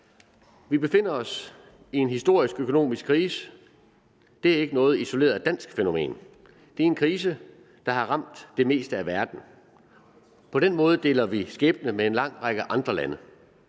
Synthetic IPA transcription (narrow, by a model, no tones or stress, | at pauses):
ʋib̥e̝fe̝n̰ɐɒ̽s | ie̝nɦisd̥o̝ɐ̰isɡ̥økʰo̝no̝̰ːmisɡ̥kʰːʁiːsə | d̥e̝æɐe̝ɡ̥ənɔ̽ːð̞̩ˠiso̝le̝ːɐð̩ˠæd̥æn̰sɡ̥feno̝me̝̰ːn | d̥e̝æɐe̝nkʰʁiːs̬ə | d̥ɑ̈hɑ̈ʁɑ̈m̰d̥ːe̝me̝̰ːsd̥əæʋæɐd̥n̩ | pʰɒ̽ɾ̥enmɔ̽ːð̞̩ˠəd̥e̝̰ːlɐʋisɡ̥eːb̥ənəmeenlɑ̈ŋ̰ʁɑ̈ɡ̥əʔɑ̈nd̥ʁɐlænə